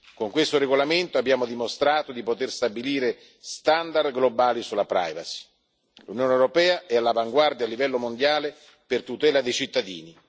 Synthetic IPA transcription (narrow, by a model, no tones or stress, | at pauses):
koŋkwest̪oɾeɡolament̪oabːjaːmʊd̪imost̪ɾaːt̪od̪ipot̪erst̪abiliːɾe | st̪and̪ard̪ɡlobaːlisulːapɾa̰jva̰si̥ | lunjoːnɛwɾopɛːaɛalːavaŋɡward̪jaːlːivɛlːomond̪jaːle | pɪrt̪ut̪ɛːlad̪ejt͡ʃit̪ːad̪ḭːni